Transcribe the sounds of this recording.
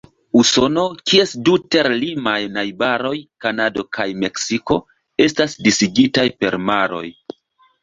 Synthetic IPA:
uso̞no̞kʰie̞sdute̞ɾlimajnajbaɾo̞jkanado̞kʰajme̞ksiko̞ | e̞stasdisiɡitajpe̞̰ɾmaɾo̞̰j

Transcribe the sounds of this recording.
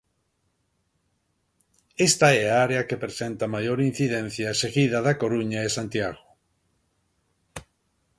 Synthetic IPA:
est̪aɛaaɾeakepɾesent̪amajoɾin̟θiðẽn̟θjaseɣiðaðakoɾuɲaesãnt̪jaɣo

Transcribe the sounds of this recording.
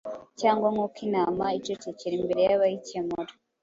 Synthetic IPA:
caːŋɡwaŋukinaːmait͡ʃoteceɾimbe̞ɾe̞jaβajicemoɾo

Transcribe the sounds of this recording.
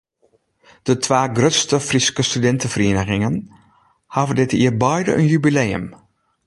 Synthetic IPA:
d̥ətʰʋaːɡrøtstəfriskəstydɛntəfəriənəɣɪŋən | hɑvədɪtiərbɔjdə̰ʔə̰njybileːə̰m

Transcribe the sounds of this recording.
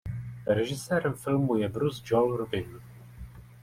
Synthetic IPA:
ɾɛʒɪsɛːɾɛmfɪlmujɛbɾuzd͡ʒolɾubɪn

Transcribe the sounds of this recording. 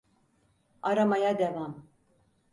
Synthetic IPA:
aɾamajad̪evam

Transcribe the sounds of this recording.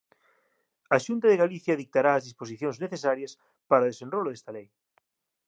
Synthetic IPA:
aʃunt̪aðeɣaliθjaðik̚t̪aɾaːzðisposiθjõŋzneθesaɾjɐs | paɾaoðesenroloðest̪alej

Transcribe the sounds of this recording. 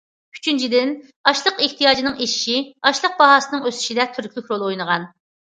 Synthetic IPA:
y̥t͡ʃʰynt͡ʃʰid̪ɪn | ɑʃlˠəqeht̪ijɑːd͡ʒinɨŋeʃi̥ʃiɑʃlˠəq̚bɑɦɑːsɨnɨŋøsy̥ʃid̪ɛt̪ʰyɾkʲlʲykʲɾolˠojnəʁɑn

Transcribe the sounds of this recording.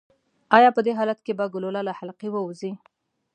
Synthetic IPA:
ɑjɑpəd̪eɦɑlat̪kebaɡʊlolalahalqiwəuzi

